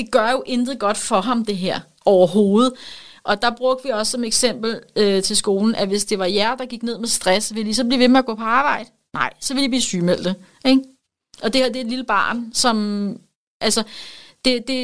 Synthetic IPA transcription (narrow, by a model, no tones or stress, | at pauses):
d̥e̝ɡ̥ɶɐjo̝ʔend̥ð̩ˠɡ̥ɒ̽d̥fɒ̽ɦɑ̈md̥e̝ɦeɐ̰ | ɒʊɐɦo̝ːð̩ˠʔɒ̽d̥ɑ̈b̥ʁɔ̽ɡ̥̚d̥ʋiɒ̽sːɒ̽meɡ̥sem̰b̥l̩øt͡sʰe̝lsɡ̥o̝ːln̩ʔæʋe̝sd̥e̝ʋɑ̈jæɐd̥ɑ̈ɡ̥iɡ̥ne̝ð̞̰ˠmesd̥ʁasʋe̝lis̬ɒ̽b̥liʋe̝meæɡ̥ɔ̰̽ːpʰɒ̽ɑ̈ːb̥ɑ̈ɪ̰d̥ə | nɑ̈ɪ̰sɒ̽ʋe̝libliːsyːmel̰d̥ə | eɡ | ʔɒ̽d̥eheɐ̰d̥e̝ːd̥liləb̥ɑ̰̈ːnsɒ̽m | ʔælsɐd̥e̝d̥e̝